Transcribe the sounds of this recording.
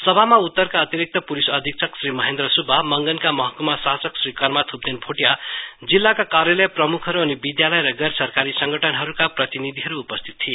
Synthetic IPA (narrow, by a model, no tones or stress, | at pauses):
sʌbʱamaut̪ːʌrkaʌt̪iɾik̚t̪ʌpulisʌd̪ʱik̚t͡sʰʌksrimʌɦend̪rʌsubʱamʌŋɡʌnkamʌɦʌkumasasʌksrikʌrmat̪ʰup̚d̪enpʰoʈjad͡zilːakakarjʌlʌjprʌmukʰʌɾuʌnibid̪jalʌjɾʌɡʌsʌrkaɾisʌŋɡʌʈʰʌnɦʌɾukaprʌt̪inid̪ʱiɦʌɾuːpʌst̪ʰi̥t̪̚tʰie